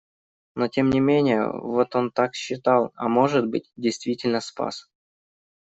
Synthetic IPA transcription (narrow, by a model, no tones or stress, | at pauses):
no̞tʲemnʲɪmʲenʲɪjə̰vo̞t̪o̞nt̪akɕːɪt̪ɑlˠa̰mo̞ʐɨd̪̚bɨt̚ʲdʲɪjst̪vʲitʲɪlʲnəspa̰s